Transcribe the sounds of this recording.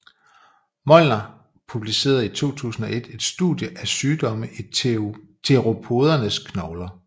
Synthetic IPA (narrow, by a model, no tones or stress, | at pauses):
mɒ̽lnɐ | pʰub̥lise̝̰ːɐð̩ˠit͡sʰo̝̰ːt͡sʰṵːsn̩ɒ̽ʔe̝d̥e̝d̥sd̥ṵðˠjəʔæsyːd̥ɒ̽məʔi | t͡sʰeʁo̝pʰo̝ð̞ˠɐnəskʰnɒʊlɐ